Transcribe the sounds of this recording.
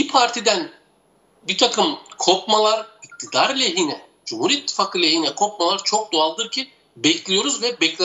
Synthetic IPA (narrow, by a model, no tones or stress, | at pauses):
bipʰaɾt̪ʰid̪æn | bit̪ʰakʰɯmkʰo̞pmalˠaɾic̚t̪ʰid̪aɾlʲɛɦinɛ | d͡ʒumhuɾiit̪ʰːi̥faːkʰɯlʲɛjinɛkʰo̞p̚malˠaɾt͡ʃʰo̞k̚d̪oalˠd̪ɯɾcʰi | bɛclʲijo̞ɾuzvɛbɛclʲ